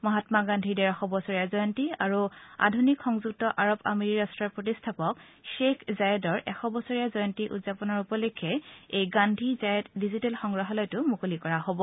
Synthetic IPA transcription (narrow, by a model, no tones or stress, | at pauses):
mɔɦatmaɡandʱidɛɹaxɔbɔsɔɹijazɔjɔntiaɹua̰dʱunikxɔŋzuk̚tɔʔaɹopa̰meɹiɹastɹaɹpɹotistʰapɔk | ʃekʰzajɛdɔɹʔɛxɔbɔsɔɹijazɔjɔntiʔṵtzapɔnɔɹupɔlekʰːɛejɡandʱizajɛtdizitɛlxɔŋɡɹaɦɔlɔjtʊmukolikɔɹaɦobɔ